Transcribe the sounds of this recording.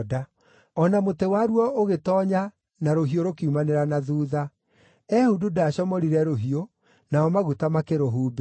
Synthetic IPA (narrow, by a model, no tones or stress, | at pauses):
da | ɔnamotewaɾwɔʔoɣetɔːɲa | naɾoɦioɾokeumaneɾanaðuːða | ɛhududaːɕɔmɔɾiɾɛɾoɦio | naɔmaɣutamakeɾoɦuːbe